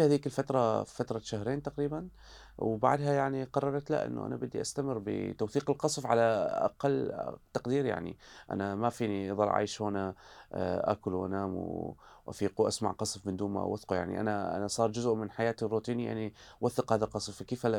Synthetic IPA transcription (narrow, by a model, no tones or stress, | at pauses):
haːðiːkɪlfat̪ɾˤɑfat̪ɾˤɑʃahɾeːnt̪aqɾiːban | wba̰ʕd̪ɦajaʕniqɑrˤːɑɾˤɑt̪la̰ʔɪ̰nːṵʔa̰na̰bɪd̪ːḭʔast̪amɪrːbɪ̰t̪awθiːqɪlqɑsˤfʕalaʔa̰qalːt̪aqd̪iːɾja̰ʕnḭʔa̰namafiːniðˤɑlˤʕa̰jʃhoːna | ʔa̰kʊlwʔa̰naːmwʔa̰fiːquʔasma̰ʕqɑsˤfmɪnd̪uːmːa̰ʔwaθquja̰ʕnḭʔa̰naa̰nasˤɑːɾˤd͡ʒʊzʔmɪnħajaːt̪rːuːt̪iːnija̰ʕniwaθːɪqhaːðalqɑsˤfkeːfal